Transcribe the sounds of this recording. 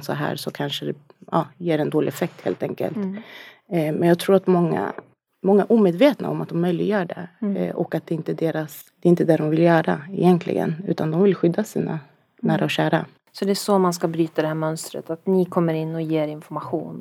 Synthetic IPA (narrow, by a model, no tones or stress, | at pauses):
sɔɦæ̰ːɾsɔkʰanʂəd̪ɛ | ɑːjeːɾɛnd̪oːlɪɛfɛk̚t̪hḛːlt̪ɛŋkə̰lt̪ | mɛnjɑːɡ̚t̪ʰɾuːɾat̪mɔŋːa̰ | mɔŋːaʔuːmeːd̪veːt̪na̰ɔmat̪̚d̪ɔmːœjlɪɡəjœːɖɛ̰ʔɔkat̪̚d̪ɛɪnt̪əd̪eːɾas | d̪̥ɛɪnt̪ːəd̪æɖɔmvɪljœːɾaɪjɛnk̪ʰlɪ̰ɡə̰nʉ̟ːt̪ʰand̪ɔmvɪlɧʏd̪ːasiːna̰ | næːɾʔaɔɕæːɾa̰ | sɔd̪ɛæʂɔmanskabɾyːt̪ad̪ɛhæːɾmœnst̪ɾə̰t̪at̪nɪkʰɔmːəɾɪnːɔjeːɾɪnfɔɾmaɧṵːn